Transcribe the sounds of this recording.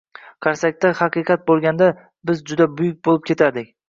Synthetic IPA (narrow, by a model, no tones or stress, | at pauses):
qʰɑɾsak̚ʲt̪ahɑqɨqɑt̪̚bolˠɡʲand̪a | bɪzd͡ʒʊd̪abʊjʊk̚ʲbolˠɪp̚kʲʰe̞t̪ʰaɾd̪ɪkʲ